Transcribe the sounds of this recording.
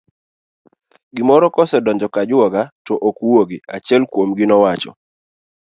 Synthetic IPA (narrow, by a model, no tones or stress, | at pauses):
ɡɪmɔɾɔkɔsɛdɔɲd͡ʒɔkad͡ʒwɔɡatɔʔokwoɡɪat͡ʃɛlkwomɡɪnɔwat͡ʃɔ̰